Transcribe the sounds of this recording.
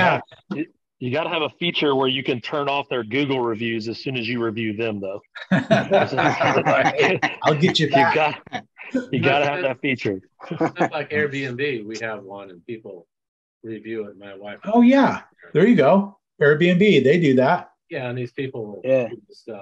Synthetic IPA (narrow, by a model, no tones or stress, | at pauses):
jæɨ | jɨɡɑɾəɨvəfit͡ʃə˞wə˞jɨkɨ̃ntʰɜ̃˞nɔfðə˞ɡʉɡl̩ˠɹivjʉzɨz̥sʉ̃nɨzjɨɹivjʉðɨ̃mðoʊ | aɪlˠɡɛt͡ʃɨðɨɡɑ | jɨɡɑɾɨːvðɨtfit͡ʃə˞ | laɪkɛɹbiɛ̃nbiwiɨvwʌ̃nɨ̃npipl̩ˠ | ɹivjʉɪ̃ŋmaɪwaɪfoʊjæ | ðə˞jɨɡoʊ | ɛɹbiɛ̃nbiðeɪdɨðæt̚ | jæɨ̃niz̥pipl̩ˠjæstʌ